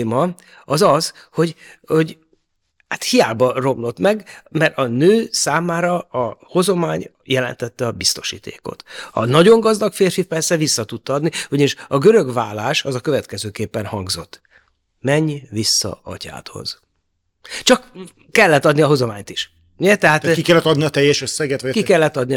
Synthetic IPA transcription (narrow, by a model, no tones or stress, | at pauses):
mɒ | ɒzɒz | ho̞ɟho̞ɟ | haːt̪hijaːbɒro̞mlo̞t̪mɛɡmɛrt̪ɒnøːsaːmaːɾɒɒho̞zo̞maːɲ | jɛlɛ̰nt̪ɛt̪ːɛɒbist̪o̞̥ʃḭːt̪ʰḛːko̰t̪ɒ̰nɒɟo̞ŋɡɒzd̪ɒkfeːrfipɛrsɛvisːɒt̪ut̪ːɒd̪niuɟɒniʃɒɡø̞ɾø̞ɡvaːlaːʃɒzɒkø̞vɛt̪kɛzøːkeːpːɛnhɒŋɡzo̞̰t̪ː | mɛɲvisːɒ̰ɒ̰ca̰ːt̪ho̞̰z̥ | t͡ʃɒkː | ɛlːɛt̪ːɒd̪niɒɦo̞zomaːɲt̪iʃ | ɛt̪ɛɦaːt̪kikɛlːɛt̪ːɒd̪niɒt̪ɛjːɛʃøsːɛɡɛt̪ʋɒkikɛlːɛt̪ːɒd̪ni